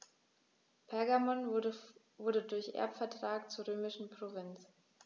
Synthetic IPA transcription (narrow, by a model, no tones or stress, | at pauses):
pʰɛɐɡamɔn | vʊɐɾədʊɐçʔɛ̰ɐpfɛɐtʁ̥aːk̚t͡suːɐʁøːmɪʃn̩pʁ̥ovɪnt͡s